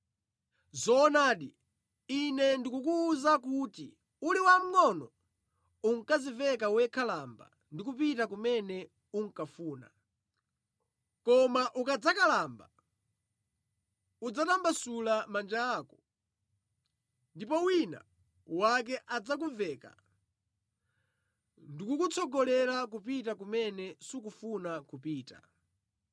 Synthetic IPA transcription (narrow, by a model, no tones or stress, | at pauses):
zɔːnaːɗi | inɛndikukuːzakuti | uliwam̩ŋɔnɔ̰ | uŋkazivɛkawɛkʰalamba̰ | ndikupitakumɛnɛ | uŋ̩kafuːna̰ | kɔmaʔukad͡zakalamba | ud͡zatambasulamand͡ʒaːkɔ | ndipɔwina̰ | wak̬ɛʔad͡zak̬uvɛka̰ | ndikukut͡sɔɡɔlɛɾak̬upitak̬umɛnɛsukufunakupiːta̰